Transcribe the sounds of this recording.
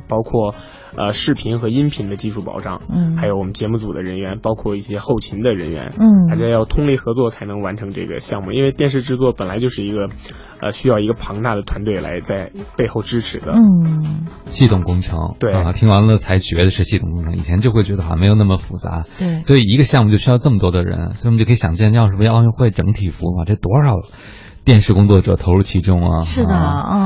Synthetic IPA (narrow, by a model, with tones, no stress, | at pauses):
pɑ˥ʊkʰwɔ˥˩ | ə̰˧ʂɻ̩˥˩pʰi˧˥nxɤ˧˥i˥npʰi˧˥ŋd̪ə˧t͡ɕi˥˧ʂʰu˥˩pɑ̰˨˩ʊʈ͡ʂɑ̰˥˩ŋ˥xa˧˥ɪjo˧˥ʊwɔ˨˩mə˦nt͡ɕjɛ˧˥mu˥˩t͡su˨˩d̪ə̰˦ɻə˧˥nɥɛ˧˥npɑ˥ʊkʰwɔ˥˧i˥˩ɕjɛ˥xo˥˩ʊt͡ɕʰi˧˥ŋd̪ə˧ɻə˧˥nɥɛ̰˧˥na˧˥ʈ͡ʂa˥˧jɑ˥˩ʊt̪ʰʊ˥ŋli˥˩xɤ˧˥t͡swɔ˥˩t͡sʰa˧˥ɪnɤ˧˥ŋwa˧˥nʈ͡ʂʰɤ˧˥ŋʈ͡ʂɤ̰˥˩ɡə̰˩ɕjɑ˥˧ŋmṵ˥˧ʔi˥nwe˥˧ɪt̪jɛ˥˧nʂ̬ɻ̩˥˧ʈ͡ʂɻ̩˥˧t͡swɔ˥˩pə˨˩nla˧˥ɪt͡ɕjo˥˧ʊʂɻ̩˥˩i˧˥ɡə˧ | ə̰˧ɕy˥jɑ˥˩ʊi˧˥ɡə˧pʰɑ˧˥ŋt̪a˥˩d̪ə˩t̪ʰwa˧˥nt̪we˥˩ɪla̰˧˥ɪt͡sa˥˧ɪpe˥˧ɪxo˥˩ʊʈ͡ʂɻ̩˥ʈ͡ʂʰɻ̩˧˥d̪ə̰˧ | ɕi˥˩t̪ʰʊ˨˩ŋkʊ˥ŋʈ͡ʂʰɤ̰˧˥ŋt̪we˥˩˥t̪ʰi˧˥ŋwa˧˥ŋə˧˨t͡sʰa˧˥ɪt͡ɕɥɛ˧˥d̪ə˧ʂɻ̩˥˧ɕi˥˩t̪ʰʊ˨˩ŋkʊ˥ŋʈ͡ʂʰɤ˧˥ŋi˨˩t͡ɕʰjɛ˧˥nt͡ɕjo˥˧ʊxwɥɛ˧˥də˧xa̰˥˩m˧˥ɪjna˥˩mə˩fu˨˩t͡sa̰˧˥wswɔ˧˥i˨˩i˧˥ɡə˧ɕjɑ˥˧ŋmu˥t͡ɕjo˥˧ʊɕy˥jʊʈ͡ʂɤ˥˩mə˩t̪wɔ˥d̪ə˨ɻə̰˧˥nso˥˩kʰːjɑ˨˩t͡ɕjɛ˥˧n˥jʊʂ̩˥˩˧ʊjʊ˥˧ŋxwe˥˩ɪʈ͡ʂɤ˧˥ŋt̪ʰi˨˩fu˧˥ma˨˩ʈ͡ʂɤ˥˩t̪wɔ˥ʂɑ˨˩ʊ | t̪jɛ˥˧nʂɻ̩˥˩kʊ˥ŋt͡swɔ˥˩ʈ͡ʂɤ̰˨˩t̪ʰo˧˥ʊɻu˥˩t͡ɕʰi˧˥ʈ͡ʂʊ˥˩ŋɐ̰˩ʂɻ̩˥˩d̪ə˧˥˩